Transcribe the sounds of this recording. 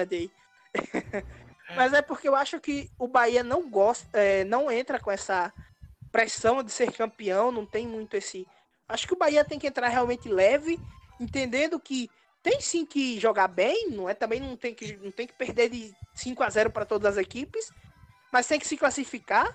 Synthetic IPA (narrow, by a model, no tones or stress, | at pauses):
ad̪ej | mɐzɛpoɾkeewaʃʊkɪʊbaiɐnɐ̃w̃ɡɔst̪ɐɛnɐ̃w̃ẽnt̪ɾɐkõɛsɐ | pɾɛsɐ̃w̃d̪ɪseɾkɐ̃piɐ̃w̃nɐ̃w̃t̪ẽj̃mũj̃t̪ʊesɪ | aʃʊ̥kɪʊbaiɐt̪ẽj̃kɪẽnt̪ɾaɾhɛalwmẽnt̪ɪlɛvɪẽnt̪ẽnd̪ẽnd̪ʊkɪ | t̪ẽj̃sĩkɪʒɔɡabẽj̃nɐ̃w̃ɛt̪ɐ̃mbẽj̃nɐ̃w̃t̪ẽj̃kɪnɐ̃w̃t̪ẽj̃kɪ̥peɾd̪eɾd̪ɪsĩŋkʊazɛɾʊpaɾɐt̪od̪ɐzɐzekipɪs | mɐst̪ẽj̃kɪ̥sɪklasifika